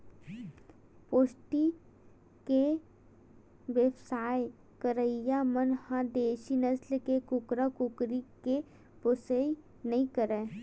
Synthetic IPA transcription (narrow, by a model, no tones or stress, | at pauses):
poːsʈi | ke | ʋjəbsaːj | kəɾəɪjamənhãd̪eːʃinɐslkekʊkɾakʊkɾike | pʊsəi | nɐɦĩkəɾẽː